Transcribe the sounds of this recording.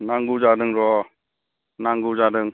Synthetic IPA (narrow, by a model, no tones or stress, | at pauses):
naŋɡud͡ʒadəŋɾɔ | naŋɡud͡ʒadəŋ